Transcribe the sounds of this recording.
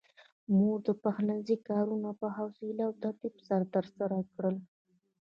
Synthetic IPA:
muɾd̪əpaxlanzikɑɾunapəɦawsilawt̪aɾt̪ibsaɾat̪əɾsaɾakɽəl

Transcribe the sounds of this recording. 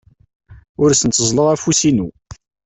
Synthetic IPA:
ʊɾsənt͡s̪ːəzˤləʁæfusinu

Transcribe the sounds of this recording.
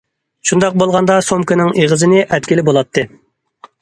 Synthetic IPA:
ʃund̪ɑq̚bolˠʁɑnd̪ɑsomkɨnɪŋeʁəzɨnɪʔɛt̪̚kʲilɪbolˠɑt̪ʰːɨ

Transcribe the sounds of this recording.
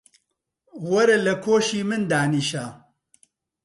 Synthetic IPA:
wɐɾɐlɐkʰoːʃiːmɨnd̪aːniːʃaː

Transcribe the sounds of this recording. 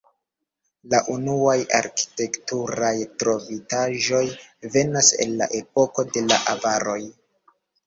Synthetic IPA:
laʔunuaja̰ɾki̥te̞ktuɾajtɾo̞vitaʒo̞jve̞nasḛnla̰ʔe̞po̞ko̞de̞la̰ʔavaɾo̞j

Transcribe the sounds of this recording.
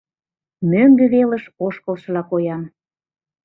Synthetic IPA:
møŋɡɘ̆βelə̆ʃoʃkə̆lʃɤlɑkojɑm

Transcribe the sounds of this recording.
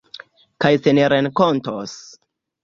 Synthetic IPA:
kajseneɾenkontos

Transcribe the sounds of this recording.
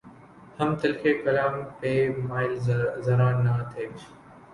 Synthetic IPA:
hɐmt̪ɐlkʰekɐlaːmpeːmaːɪlzɐɾaːnːat̪ʰeːt͡ʃʰ

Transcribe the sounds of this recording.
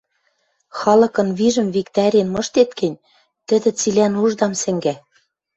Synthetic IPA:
xɑlɤ̆kɤ̆nβiʒɘ̆mvikt̪ɑɾʲenmɤ̆ʃt̪et̪kɘ̆nʲ | t̪ɘ̆d̪ɘ̆t͡silænuʒd̪ɑmsɘ̆ŋɡæ

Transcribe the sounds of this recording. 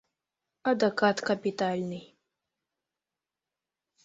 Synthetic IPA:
ɐd̪ɐkat̪kɐpʲit̪alʲnɨj

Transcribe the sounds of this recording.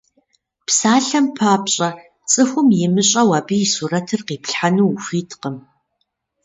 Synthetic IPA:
psaːɬɐmpʰaːpɕʼɐ | t͡sʼɨxʷʊmjɪmɨɕʼɐwaːbiɪsurɐtʰɨrqiːpɬħanuxʷiːtʰqəm

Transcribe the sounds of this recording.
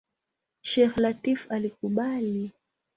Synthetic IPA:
ʃɛxlatifalik̚uɓali

